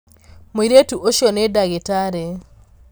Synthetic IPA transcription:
moiɾetuʔoʃɔnedaɣetaɾe

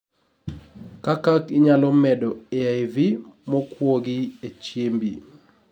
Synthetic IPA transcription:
kakakiɲalɔmɛdɔeajvimɔkwoɡiet͡ʃembi

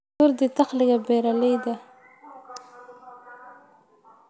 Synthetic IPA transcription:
oɾd̪ət̪axliɡabeɾalejd̪a

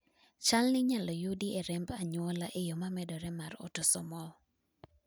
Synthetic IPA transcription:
t͡ʃalnɪɲalɔjudiɛɾɛmbaɲwɔlaʔejomamɛdɔɾɛmaɾo̰tosɔmɔ

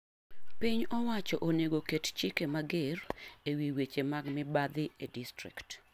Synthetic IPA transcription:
piɲɔwat͡ʃɔʔoneɡokett͡ʃɪkemaɡɪrewiwet͡ʃemaɡmɪbad̪ɪedistɾḭkt

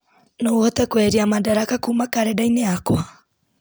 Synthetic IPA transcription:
nouhɔtɛkwɛɾiamadaɾakakumakaɾɛdaineakwa

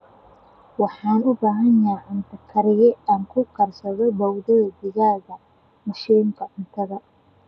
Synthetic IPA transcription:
wɑħɑːnʊbaːɦɐnjaʕɪnt̪ʰɐkʰɐɾɪjɛaːŋkʰʊkʰɐrsɐðɔbɐwðɐðɐd̪ɪɣaːðɐ | mɐʃiːŋkʰɐʕʊnt̪ʰɐðɐ

